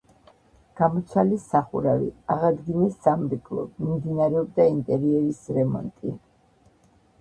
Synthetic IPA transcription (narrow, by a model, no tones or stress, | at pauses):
ɡ̥amɔt̪sʰalisːaχuɾavḭaʁad̪ɡinɛsːamɾikʰʼlˠɔ̰bmimd̪inaɾɛɔb̚d̪aint̪ʼɛɾiɛɾisɾɛmɔ̰nt̪ʼi